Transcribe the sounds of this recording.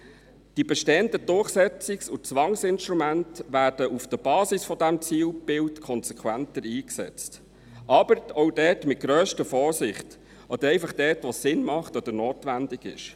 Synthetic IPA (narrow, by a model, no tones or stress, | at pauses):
d̥ibɛʃtɛːəndəd̥ʊɾχsɛt͡sɪksut͡sʋɑŋsɪnʃt̪ɾumæntʋæːd̥əʔufd̥əb̥ɑːsisfɔdæmt͡siːlb̥ɪltkʰɔnsɛkʰwæntəɾiːksɛ̰t͡st | ʔɑb̥əɾɔwdɛːtmɪt̚ɡ̥ɾœːʃtəfɔːɾsɪχt | ʔɔd̪əɾɛɪfɑχd̥ɛːtʋɔsɪnmɑχtɔd̪əɾnoːtʋændɪɡɪ̰ʃ